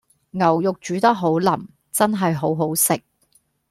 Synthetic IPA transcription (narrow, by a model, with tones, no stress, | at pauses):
ŋɐ˨˩wjʊ˨k̚t͡ʃyː˨˥t̪ɐ˥k̚ɦo˨˥wlɐ˨˩m | t͡sɐ˥nɦɐ˨jɦo˨˥wɦo˨˥wsɪ˨k̚